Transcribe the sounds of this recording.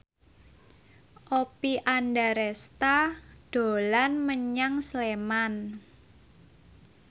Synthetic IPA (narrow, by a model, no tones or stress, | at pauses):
ʔopiʔandaɾɛst̪aɖ̥o̤lanməɲaŋsleman